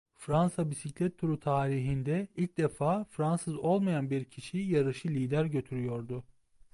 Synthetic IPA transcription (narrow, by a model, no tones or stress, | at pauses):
fɾansabisiclʲɛt̪ʰːuɾut̪ʰaːɾiɦind̪ɛilʲc̚d̪efaːfɾansɯzo̞lˠmajanbiɾcʰiʃijaɾɯʃɯlʲiːd̪æɾɟø̞t̪ʰyɾyjo̞ɾd̪ʊ